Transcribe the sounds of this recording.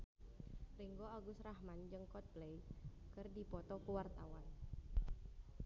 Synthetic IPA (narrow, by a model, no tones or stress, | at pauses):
riŋɡoaɡʊsrahmand͡ʒəŋkɔt̪̚plejkɨrdipɔt̪ɔkuwart̪awan